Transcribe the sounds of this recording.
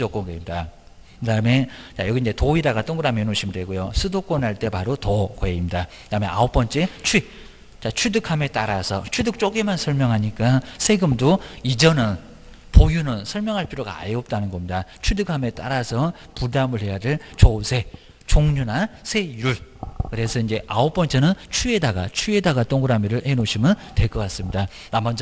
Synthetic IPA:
d͡ʑʌk͈ʌnɡeimida | kɯdame̞t͡ɕajʌɡind͡ʑe̞toiɾaɡat͈oŋɡɯɾamenoɕʰimdwe̞ɡojosʰɯdok͈ʌnɦaɭt͈e̞paɾotʌkʌeimɲidakɯdamḛa̰op͈ʌnt͡ɕ͈e̞t͡ɕʰwi | t͡ɕat͡ɕʰwidɯkʰame̞t͈aɾasʰʌ̰t͡ɕʰwudɯk̚t͡ɕ͈oɡemansʰʌɭmjʌŋɦaɲik͈asʰe̞ɡɯmdoid͡ʑʌnɯn | pojunɯnsʰʌɭmjʌŋɦaɭpʰiɾjoɡa̰a̰jeʌp̚t͈anɯnɡʌmɲidat͡ɕʰwudɯkʰame̞t͈aɾasʰʌ | pudamɯɭɦe̞jadɯɭt͡ɕosʰe̞ | t͡ɕoŋɲunasʰe̞juɭkɯɾe̞sʰʌind͡ʑe̞ʔaop͈ʌnt͡ɕ͈e̞nɯnt͡ɕʰue̞daɡa̰t͡ɕʰie̞daɡat͈oŋɡɯɾamiɾɯɭhe̞noɕʰimɯnte̞k͈ʌkas͈ɯmɲida | nambʌnsʌ

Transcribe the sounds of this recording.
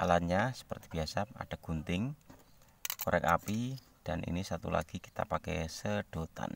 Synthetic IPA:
ʔa̰lat̪ɲasə̥pərt̪ib̥iasaa̰ɖ̥aɡ̥unt̪ɪŋ | koɾɛkapi | d̥anʔḭnisat̪ṵla̰ɡ̥i̤ki̥t̪a̰pakɛ̰jsəɖ̥o̤t̪a̰n

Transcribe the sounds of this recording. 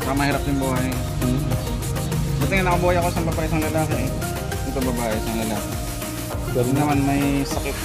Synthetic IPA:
pamɐhiːɾɐp̚jʊŋboːe | dɐt̪ɪŋɐnɐkɐboːjɐkosɐmbɐbaːʔɪsɐŋlɐlaːkɪ | ʔɛt̪oŋbɐbaːʔɪsɐŋlɐlaːkɪ | unɐmanmɐjsɐkɪt̪̚

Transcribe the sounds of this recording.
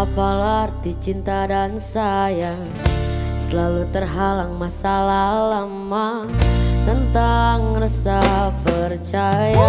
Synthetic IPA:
apalad̪it͡ʃint̪adansaja | səlalut̪ərɦalaŋmasalaləmːa | t̪ənt̪aŋrəsapərt͡ʃaja

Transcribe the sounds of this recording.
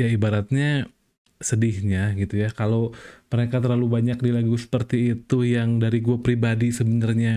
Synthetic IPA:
jaibaɾat̪̚ɲa | sədɪhɲaɡit̪ujakaloməɾekat̪ərlalubaɲak̚dilaɡusə̥pərt̪iːt̪ujaŋdaɾiɡuapɾibadisəbənarɲa

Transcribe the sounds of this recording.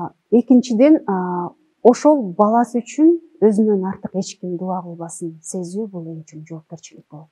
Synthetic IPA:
e̞kint͡ʃid̪e̞n | o̞ʃo̞lˠbɑlˠɑsɯyt͡ʃyn | ø̞zynønɑɾt̪ɯqe̞t͡ʃkʲimd̪uɑʁɯlˠβɑsɯnse̞zyːbulˠont͡ʃynd͡ʒo̞ːp̚ke̞ɾt͡ʃilik̚b̥olˠ

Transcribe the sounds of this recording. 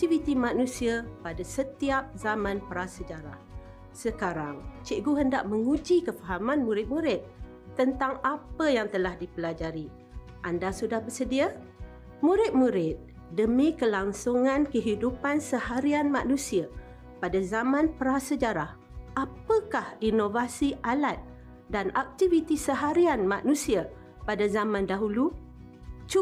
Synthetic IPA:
t̪ivit̪imanusiapadasət̪iap̚zamãnpəɾasəd͡ʒaɾa̰h | səkaɾaŋt͡ʃɪʔɡuɦəndaʔməŋud͡ʒikəfaɦamanmuɾɪt̪̚muɾɪt̪̚ː | ənt̪aŋapəjaŋt̪əlahdipəlad͡ʒaɾi | ʔandasudahbərsədia | muɾɪt̪̚muɾɪt̪̚ | dəmikəlaŋsuŋãnkəɦidupansəhaɾianmaʔnũsia | padazamãnpəɾasəd͡ʒaɾah | ʔapəkahinovasiʔalat̪̚ | danak̚t̪ivit̪isəɦaɾianmaʔnũsia | padazamãndaɦulu | t͡ʃu

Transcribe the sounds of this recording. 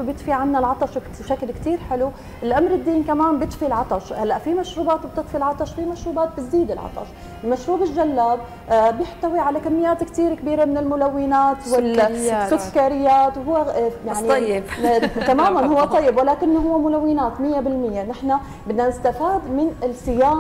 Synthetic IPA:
bjɪt̪fiʕanːalʕɑt̪ˤɑʃb | ʃaklkt̪iːɾħɪlu | ʔɪlʔamɾɪd̪ːiːnkamaːnbjɪt̪filʕɑt̪ˤɑʃhalːaʔfimaʃɾuːbaːt̪bt̪ɪt̪ˤfilʕɑt̪ˤɑʃfimaʃɾuːbaːt̪̚bɪzd̪iːd̪ɪlʕɑ̰t̪ˤɑ̰ʃ | lmaʃɾuːbɪlʒalːaːb̚ | bjɪħt̪awiʕalakamːɪjːaːt̪kt̪iːɾkbiːɾamɪnɪlmʊlawːɪnaːt̪wɪlːsʊkaːɾɪjːaːt̪whʊwːejaʕni̥ | t̪amaːmanhʊwːat̪ˤɑjːɪbwɪlaːkɪnːoɦʊwːamʊlawːɪnaːt̪mɪjːabɪlmɪjːanɪħna | bɪnːanɪst̪afaːd̪mɪnɪlsɪjaː

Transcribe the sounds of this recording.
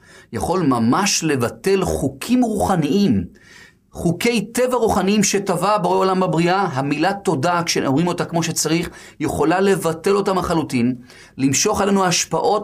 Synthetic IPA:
jaχo̞lmamaʃle̞vate̞lχukʰimʁuχaniʔim | χuke̞jte̞vaʁuχaniimʃe̞tavabeʁeolamabʁiʔaɦamilat̪o̞dakʃenoʁimo̞takmo̞ʃet͡saʁiχ | je̞χo̞lale̞vate̞lo̞tamaχalutin | limʃo̞χale̞nuaʃpaʔo̞t̚

